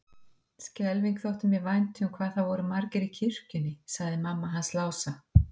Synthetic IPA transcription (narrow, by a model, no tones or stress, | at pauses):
scɛlviŋkθowht̪ʏmjɛvajnt̪ʏmkʰvaːðθawvɔɾʏmaɾcɪɾicʰir̥cʏnːɪsaɣðɪmamːaɦanslaːwsa